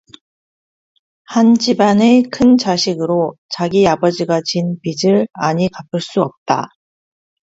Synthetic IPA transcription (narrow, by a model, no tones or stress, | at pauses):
hand͡ʑibanekʰɯnt͡ɕaɕʰiɡɯɾot͡ɕaɡiabʌd͡ʑiɡat͡ɕinpid͡ʑɯɭa̰ɲikapʰɯɭs͈uʌp̚t͈a̰